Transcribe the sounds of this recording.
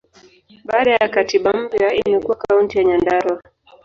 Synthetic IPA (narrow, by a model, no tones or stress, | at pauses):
ɓaːɗajakatiɓam̩pjaimɛkuwakauntijaɲandaɾwa